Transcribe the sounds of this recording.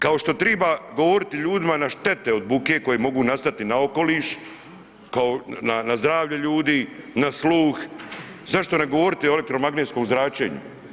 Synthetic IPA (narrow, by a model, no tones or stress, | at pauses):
kao̞ʃt̪o̞t̪ɾeːbaːɡo̞ʋo̞ɾit̪iʎuːd̪imanaʃt̪e̞t̪eo̞d̪̚buke̞ːko̞jemo̞ɡuːnast̪at̪inao̞ko̞liːʃ | kaonanazd̪ɾaːʋʎeʎuːd̪iːnasluːx | zaʃt̪oneɡo̞ʋo̞ɾit̪ioelekt̪ɾo̞maɡnet̪sko̞mzɾaːt͡ɕe̞̰ːɲṵ